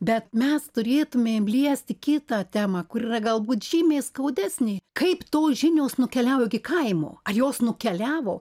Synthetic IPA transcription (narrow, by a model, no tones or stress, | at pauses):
bʲɛt̪mʲɛst̪ʊɾʲeːt̪ʊmʲeːmlʲiɛsʲt̪ʲɪkʲɪt̪ɑːt̪ʲæːmɐkʊɾiːrɐɡɐlˠbuːt̪ʒ̥ʲiːmʲeːskɐʊd̪ʲæːsʲnʲeːkɐɪpt̪oːʒʲɪnʲoːsnʊkʲɛlʲæːʋoːɡʲɪkɐɪmo̰ːɐjoːsnʊkʲɛlʲæːʋo̰ː